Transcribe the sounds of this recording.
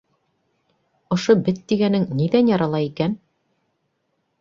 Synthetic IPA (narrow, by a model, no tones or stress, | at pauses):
ŏʃobɘt̪ːiɡænɘŋniðænjɑɾɑlˠɑikæn